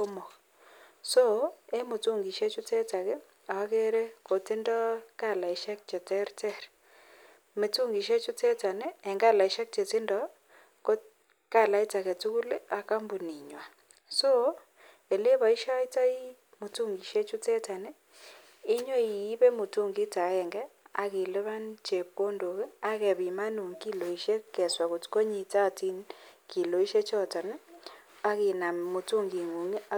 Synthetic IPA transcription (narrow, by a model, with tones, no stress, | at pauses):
ko˦mɔ˨k | so˦e˦mu˨tu˦ŋɡi˨ʃe˦t͡ʃu˦te˦ta˨kɛ˦ | a˨a˦ke˦ɾe˦ko˨te˦ndɔ˦ka˦˨la˨i˦ʃa˦k̚t͡ʃe˨tɛ˦ɾtɛ˦˨ɾ | me˨tu˦ŋɡi˨ʃe˦t͡ʃu˦te˦ta˨neː˦˨ŋɡa˦la˨i˨˦ʃa˦k̚t͡ʃe˨ti˦ndɔ˦ | ko˦ | ka˦˨la˦i˦ta˨ke˨tu˦ku˦le˦a˨ka˦mbu˨ni˨ɲwa˨ | so˦ | e˨le˦βa˨i˦ʃa˦i˦ta˦i˦ | mu˨tu˦ŋɡi˨ʃe˦t͡ʃu˦tɛ˦ta˨nɛ˦ | ɪ˦ɲo˦iː˨˦βe˦mu˨tu˦ŋɡɪ˦ta˨ɛ˨ŋɡɛ˦a̰˨ke˨le˦βa˦nt͡ʃe˨p̚ko˦ndo˨ke˦a˦kɛ˨βi˨ma˦nu˨ŋki˦lo˨i˨ʃe˦kɛ˨swa˨ko˨tko˦ɲi˨ta˦˨ti˦nki˨lo˨i˦ʃe˦t͡ʃɔ˦ta˨nɛ˦ | a˦ɣi˨na˨mu˨tu˦ŋɡi˨ŋu˨ŋ